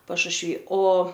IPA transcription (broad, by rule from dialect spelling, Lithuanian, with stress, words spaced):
pɐʃʊʃʲˈʋʲiː oː